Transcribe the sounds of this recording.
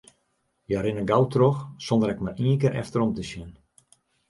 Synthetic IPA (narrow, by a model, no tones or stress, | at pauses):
jaɾɪnəɡawtroxsondəɾɛkmariənkɪːɾʔɛ̰ftəɾɔmtəsjɪn